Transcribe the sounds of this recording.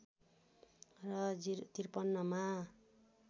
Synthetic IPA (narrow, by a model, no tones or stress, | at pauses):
rʌt̪irpʌnːʌma